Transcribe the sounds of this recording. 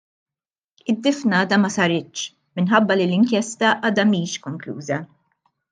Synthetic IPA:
ɪd̪ːɪfnɐːd̪ɐmɐsɐɾɪt̪ːʃ | mɪnħɐbːɐlilɪŋkjɛst̪ɐʔɐːd̪ɐmiːʃkɔŋklṵːzɐ

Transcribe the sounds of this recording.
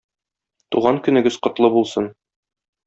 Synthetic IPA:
t̪uʁɑŋkɵ̆nɘ̆ɡɘzqŏt̪lˠɤbulˠsɤn

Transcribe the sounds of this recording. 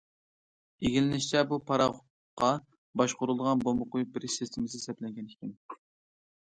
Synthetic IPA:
eɡʲilɪnɪʃt͡ʃʰʲɛbupʰɑɾɑχʊ | qʰːɑ | bɑʃqʊɾulˠd̪əʁɑnbomʊqʊjubɪɾsɪst̪ʰɪmɪsɪsɛplɛŋɡʲɛnɪkʲʰɪn

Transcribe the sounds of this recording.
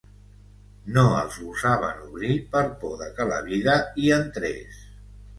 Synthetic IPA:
noəlˠzuzaβ̞ə̰nuβɾipəɾpoðəkələ̰βiðəiənt̪ɾɛ̰s

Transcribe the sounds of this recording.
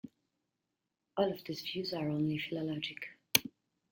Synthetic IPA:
ɔlˠɔvðizvjʉzəɹõʊ̃nlifɪləlɑd͡ʒɪk

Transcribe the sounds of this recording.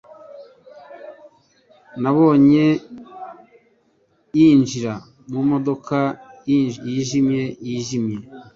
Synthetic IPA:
naβo̞ːɲe̞ | jind͡ʒiɾa | mumo̞do̞ka | jiːʒimje̞jiːʒimje̞

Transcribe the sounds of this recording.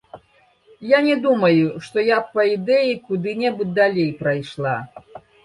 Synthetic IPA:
janʲɛd̪umɐjuʂt̪ɔjapːɐid̪ɛjikud̪ɨnʲɛbud̪alʲejpɾajʂlˠa

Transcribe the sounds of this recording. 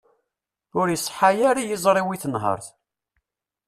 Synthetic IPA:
ʊɾjəsˤːħajaɾijizˤɾˤiwiθənɦə̰ɾˤθ

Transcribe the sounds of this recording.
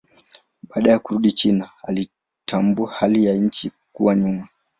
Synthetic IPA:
ɓaːɗajakuɾuɗit͡ʃinaali | tʰambuahalijaɲ̩t͡ʃikuwaɲuma

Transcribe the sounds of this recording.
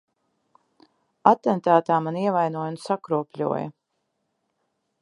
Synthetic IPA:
at̪ɛnt̪aːt̪aːmaniɛvajnuɔjunsakɾuɔpʲlʲṵɔjɐ̰

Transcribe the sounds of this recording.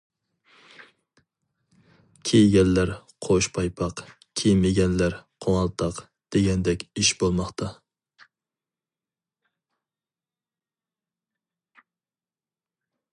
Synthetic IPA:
kʲʰejɡʲɛnlæɾqʰoʃpʰɑjpʰɑq | kʲʰejmɪɡʲɛnlæɾqʰoŋɑlˠt̪ʰɑq | d̪̥eɡʲɛnd̪ɛkʲiʃbolˠmɑχt̪ʰɑ

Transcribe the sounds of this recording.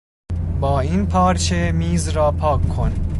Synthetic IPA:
bɒːinpʰɒːɾt͡ʃʰemiːzɾɒːpʰɒːkʰːon

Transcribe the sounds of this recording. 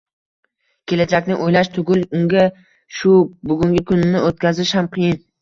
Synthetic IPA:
kʲʰe̞lad͡ʒakʲnɪʔojlaʃt̪ʰʊɡʲɪlˠʊŋɡʲa | ʃʊbʊɡʲʊŋɡʲɪkʰʊnːɪʔot̪̚kʲazɪʃhamqʰɨjɪn

